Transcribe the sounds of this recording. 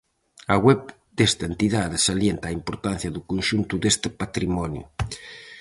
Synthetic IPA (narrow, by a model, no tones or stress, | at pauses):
aɣwɛp̚ | d̪est̪aent̪iðaðesaljent̪aːimpoɾt̪an̟θjaðukunʃunt̪ud̪est̪epat̪ɾimɔnjṵ